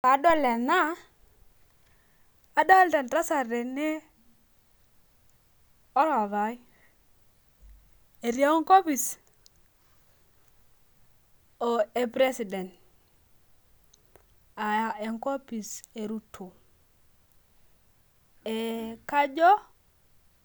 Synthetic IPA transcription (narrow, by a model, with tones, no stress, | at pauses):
ka˨˦dɔ˦lɛ˨na˦˨ | dɔ˦ltɛ˨nta˦sa˨ɾe˨ne˦ | ɔ˦ɾa˨βa˨i˦ | e˨ɾja˦ŋko˦pi˨s | o˨e˨pɾe˦si˨dɛ˨nt | a˨ja˦e˨ŋko˦pi˨se˨ɾu˦tʰo˨ | e˨ka˦d͡ʒɔ˦